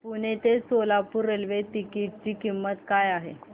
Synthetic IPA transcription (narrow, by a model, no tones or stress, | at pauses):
puɳ̃et̪esolapuɾːelʋet̪ikiʈ̚t͡ɕiːkimːət̪kajaɦḛ